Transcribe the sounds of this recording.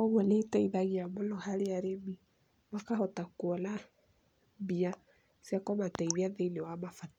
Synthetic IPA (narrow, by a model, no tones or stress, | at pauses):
ɔɣwɛneitɛiðaɣiamolɔhaɾeaɾemi | makahɔtakuɔna | bia | sjakɔmataiβiaðeinewamafat